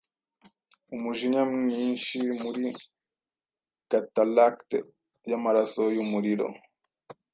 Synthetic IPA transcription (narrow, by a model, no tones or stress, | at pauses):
umuʒiɲamiɲiːnʃimuɾi | katalakt | jamaɾasojumuɾiɾo̰